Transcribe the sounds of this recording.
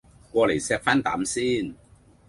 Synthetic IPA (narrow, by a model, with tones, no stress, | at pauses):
kɔː˧le˨˩jsɛː˧k̚faː˥nt̪a̰ː˨˥msiː˥˩n